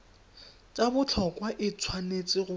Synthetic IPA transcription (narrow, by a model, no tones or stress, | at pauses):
t͡ʃʼabʊt͡ɬʰɔkʼwaʔɪt͡sʰwanet͡sʼɪɣʊ